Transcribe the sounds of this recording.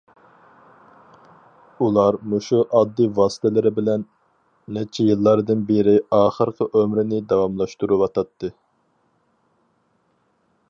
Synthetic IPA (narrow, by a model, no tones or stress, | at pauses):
ulˠɑɾmoʃuʔɑd̪ːivɑːst̪ʰɛlɪɾɪbɪlɛnː | ɛt͡ʃʰɛjɨlˠːɑɾd̪ɨnbeɾɪɑːχəɾqʰəʔømɾɪnɪd̪ɑwɑmlˠɑʃt̪uɾuwɑt̪ʰɑt̪ːɨ